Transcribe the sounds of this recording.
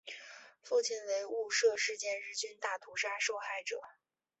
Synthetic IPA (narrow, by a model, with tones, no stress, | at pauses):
fu˥˩t͡ɕʰi˥˩nwe˧˥ɪu˥˧ʂɤ˥˧ʂɻ̩˥˧t͡ɕjɛ˥˧nɻɻ̩˥˩t͡ɕy˥nt̪a˥˩t̪ʰu˧˥ʂa˥ʂo˥˧ʊxa˥˩ɪʈ͡ʂɤ˨˩˦